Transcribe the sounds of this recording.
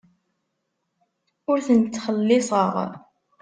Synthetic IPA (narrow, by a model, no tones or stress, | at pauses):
ʊɾθənt͡s̪ːχəlːɪsˤəʁ